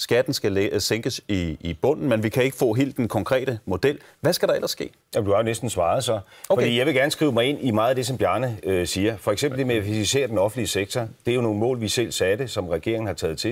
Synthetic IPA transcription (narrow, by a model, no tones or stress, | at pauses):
sɡ̥æd̥n̩sɡ̥æseŋɡ̥əsiːb̥ɔ̽n̰n̩menʋikʰæe̝ɡ̥əfɔ̰̽ːɦe̝̰ːld̥enkʰɒ̽ŋkʰʁɛ̰ːɾ̥əmo̝d̥el̰ | ʋæsɡ̥æɾ̥ɑ̈elɐsːɡ̥e̝̰ː | jæmd̥uhɑ̈jo̝nesd̥n̩sʋɑ̈ːð̩ˠsɒ̽ofɒdḭːjɑɪʋe̝ɡ̥æɐnəsɡ̥ʁiʊmɑ̈ɪe̝n̰imɑ̈ːð̩ˠæd̥e̝sɒ̽mbjæːnəøsiːɐfɒ̽eɡ̥sembl̩d̥emeæfisise̝̰ːɐd̥enɒ̽fn̩liəseɡ̥̚t͡sʰɒd̥e̝æɐjo̝no̝ːn̩mɔ̰̽ːlʋisel̰sɛːd̥e̝sɒ̽mʁɛɡ̥e̝̰ɐ̰eŋn̩hɑ̈t͡sʰɛ̰ːð̩ˠt͡sʰe̝